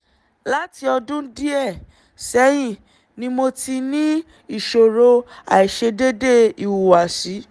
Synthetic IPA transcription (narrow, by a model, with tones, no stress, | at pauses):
la˦ti˧ɔ˧dũ˦di˦ɛ˦˨ | sɛ˨˦j̃ĩ˦˨ | nĩ˦mo˧ti˧nĩ˦ | i˦˨ʃo˨ɾo˧a̰˨i˨ʃe˧de˦de˦˨i˨wu˨wa˨ʃi˨˦